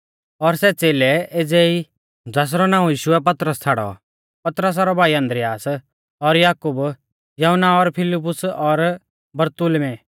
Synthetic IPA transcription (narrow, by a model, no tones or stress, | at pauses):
ɔɾsɛt͡seːlɛʔed͡zɛːi | d͡zaːs̬ɾɔnãːũjiːʃʊɛp̬ɐt̪ɾəst͡sʰaːɽɔ̰ | pɐt̪ɾəs̬aːɾɔbʱaːiɐ̃nd̪ɾɪjaːs | ɔɾjaːkub | jɔɦʊnːaɔɾpʰɪlɪp̬ːʊsɔɾ | bɐɾt̪ʊlmɛ